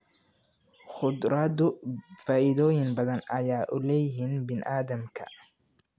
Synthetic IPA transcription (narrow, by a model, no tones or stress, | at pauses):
χʊd̪rɐðʊfaːʔɪðɔːjɪnbɐðɐnɐjaːʔʊlɛjɪɦinbɪnʔaːðɐmkʰɐ̰